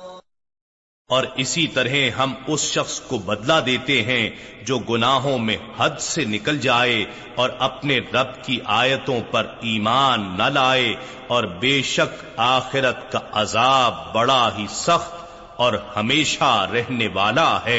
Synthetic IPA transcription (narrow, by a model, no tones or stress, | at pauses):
ɔːɾɪsit̪ɐɾɦeɦɐmʊsʃɐxskobɐd̪lad̪eːt̪eɦɛ̃d͡ʒoːɡʊnaːɦõmẽhɐd̪senɪkəld͡ʒaːe | ɔːɾɐpneɾɐbkiʔaːjət̪õpɐɾiːmaːnːɐlaːe | ɔːɾbeːʃɐk | aːxɪɾət̪kaʔɐzaːbːɐɽaɦisɐxt̪ | ɔːɾhɐmeːʃaɾɛɦneʋaːlaɦɛː